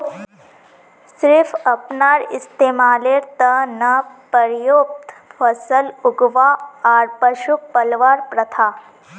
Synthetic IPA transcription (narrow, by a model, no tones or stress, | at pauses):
sɾɪfʰɐpnaːɾɪ̰st̪eːmaːleːɾt̪ɐnɐpəɾjoːp̚t̪fʰɐsəlʊɡʋaaːɾpəʃuk̚pəlʋaːɾpɾɐt̪ʰaː